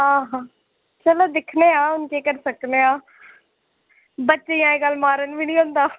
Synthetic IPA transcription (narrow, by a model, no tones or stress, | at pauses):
ɦãːɦãː | t͡ʃəloːd̪ɪkʰneːãːʊnkeːkəɾsəkneːãː | bətːʃejãːeːɡəlmaːɾənbʱiːnĩːɦõːnd̪aː